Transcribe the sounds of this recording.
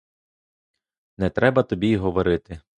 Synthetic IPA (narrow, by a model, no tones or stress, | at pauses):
nɛt̪ɾɛbɐt̪ɔbʲiɦɔʋɔɾɪt̪ɪ